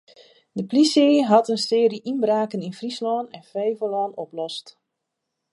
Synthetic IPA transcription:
dəpliseɦɑtənsɪːɾiʔinbraːkəninfrislɔːnɛnfɛjvəlɔːnɔplɔst

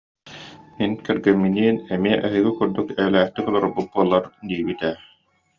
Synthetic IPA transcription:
minkɛɾɡɛmːiniɛnɛmiɛʔɛɦiɡikuɾd̪ukɛːlæːχt̪ikɔlˠɔɾɔbuk̚buɔlˠːaɾd̪iːbit̪ɛ

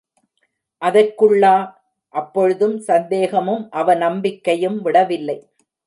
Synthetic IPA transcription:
ʔɐðɐkːɯɭːaː | ʔɐpːɔɻɯðɯmsɐnd̪eːɣɐmɯmʔɐʋɐnɐmbɪkːɐjɯmʋɪɽɐʋɪlːɐɪ

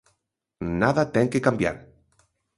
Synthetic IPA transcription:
naðat̪eŋkekambja̰ɾ

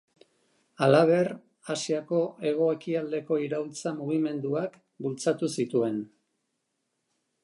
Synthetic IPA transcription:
alaβe̞r | asiako̞ʔe̞ɣ̞o̞ekiald̪e̞ko̞iɾawlt͡samuɣ̞ime̞nd̪uak | bult͡sat̪usit̪ue̞n

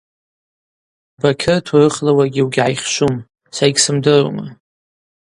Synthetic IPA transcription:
bakʲʰɨrtʰurɨχlawaɡʲiwɡʲʕajχʲʃʷum | sajɡʲsɨmdɨrṵma̰

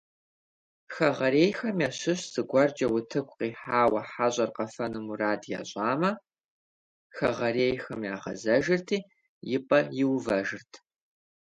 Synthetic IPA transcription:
xɐʁɐɾeːjxɐmjaɕɪɕz̥ɨɡʷɐrd͡ʒɐwʊtʰɨkʷʼqiːħaːwɐħaɕʼɐrqɐfɐnɨmuraːdja̰ɕʼaːmɐ | xɐʁɐreːjxɐmja̰ːʁɐ̰zɐʒɪrtʰiː | jɪpʼɐjɪwvɐʒɪrtʰ

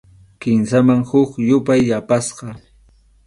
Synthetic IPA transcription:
kɪmsamaŋhʊkjʊpajːapasqɑ

